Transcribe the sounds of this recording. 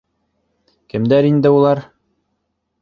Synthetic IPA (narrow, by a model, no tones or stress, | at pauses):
kɘ̆md̪æɾind̪ɘulˠɑɾ